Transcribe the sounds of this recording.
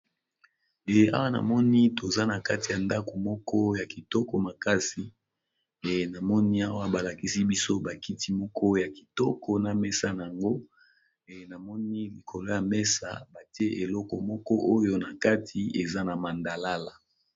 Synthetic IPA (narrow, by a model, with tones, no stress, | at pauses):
ɛ˨a̰˦wa˦na̰˨mɔ˦ni˦to˨za˦na˨ka˦ti˨ja˨nda˦ko˨mɔ˦kʰɔ˦ja˨ki˨tɔ˦kɔ˨ma˨ka˦si˨ | e˨na˨mɔ˦ni˦a˦wa˦ba˨la˨ki˦si˦bi˦so˦ba˨ki˦ti˦mɔ˦kʰɔ˦ja˨ki̥˨tɔ˦kʰɔ˨na˨mɛ˦sa˦na˨a˨ŋɡo˦ | e˨na˨mɔ˦ni˦li˨kʰo˨lo˦ja˨mɛ˦sa̰˨ba˨ti˦e˦ʔe˨lɔ˦kɔ˨mɔ˦kɔ˦ʔo˦jo˦na˨ka˦tʰi˨e˨za˦na˨ma˨nda˨la˦la˨